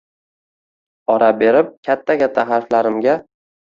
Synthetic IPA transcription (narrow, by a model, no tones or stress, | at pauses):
ɒɾabe̞ɾɪp̚kʲʰat̪ʰːakʲʰat̪ʰːaɦaɾflaɾɪmɡʲa